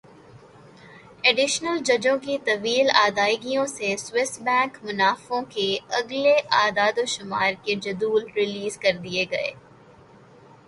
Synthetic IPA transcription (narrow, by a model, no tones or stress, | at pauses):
ɛɖɪʃnəld͡ʒɐd͡ʒõkit̪ɐʋiːlaːd̪aːɪɡijõseswɪsbɛ̃ːŋkmʊnaːfõkeɐɡleʔaːd̪aːd̪oʃʊmaːɾked͡ʒɐd̪uːlɾɪliːzkɐɾd̪ieɡɐḛː